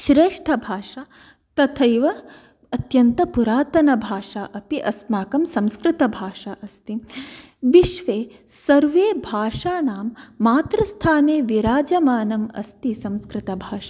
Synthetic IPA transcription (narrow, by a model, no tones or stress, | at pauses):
ʃɾeːʂʈʰɐbʱaːʂa | t̪ɐt̪ʰɐjʋɐ | ɐt̪jɐnt̪ɐpuɾaːt̪ɐnɐbʱaːʂaːʔɐpiʔɐsmaːkɐmsɐ̃mskɾɪt̪ɐbʱaːʂaʔɐst̪i | ʋiʃʋeːsɐɾʋeːbʱaːʂaːnaːmːaːt̪ɾɐst̪ʰaːneːʋiɾaːd͡ʒɐmaːnɐmɐ̰st̪isɐ̃mskɾɪt̪ɐbʱaːʂḁ